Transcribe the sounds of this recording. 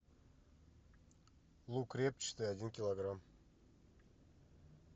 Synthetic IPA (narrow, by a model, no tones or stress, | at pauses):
lˠukrʲep̚t͡ɕt̪ɨadʲinkʲilˠoɡram